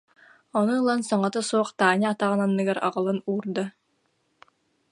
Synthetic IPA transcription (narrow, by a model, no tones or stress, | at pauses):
ɔnuːlˠansɔŋɔt̪asuɔχt̪aːɲaat̪aʁɯnanːɯɡaɾa̰ʁɯlˠɯnuːɾd̪a